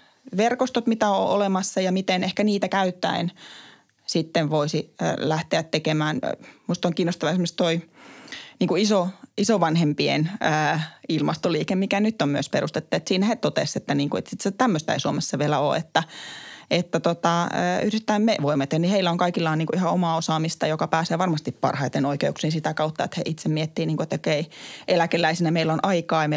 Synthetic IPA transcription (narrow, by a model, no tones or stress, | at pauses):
ʋerkost̪ot̪mit̪æo̰ʔolemɑsːɑjɑmit̪enehkæniːt̪ækæyt̪ːæ̰in | sit̪ːeʋʋoisḭːlæht̪eæt̪tekemæːnmust̪oŋkiːnːˑost̪ɑʋɑesmːst̪oi | niːŋkuisoisoʋɑnhempiḛnəːilmɑst̪oliːkemmikænyt̪ːommyøsperust̪et̪ːuet̪siːnæhet̪ot̪ḛset̪ːæniːŋkuet̪sit̪set̪æmːøst̪æ̰isuomesːɑʋielæo̰ːḛt̪ːæ | et̪ːæt̪ot̪ɑə̰ːyhrit̪ːæimmeʋoimːet̪eniheilːæoŋkɑikilːɑːniːŋkuihɑomɑːosɑːmist̪ɑjokɑpæːseːʋɑrmɑst̪ippɑ̰rhɑit̪enoikeuksiːnsit̪ækɑut̪ːɑḛt̪hḛʔit̪semmiet̪ːiːniːŋkuet̪ːokeiʔelækelˑæisinæmeilːonʔɑikɑːjɑme